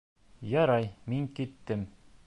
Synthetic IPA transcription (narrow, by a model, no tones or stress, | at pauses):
jɑɾɑjmiŋkit̪ːɘm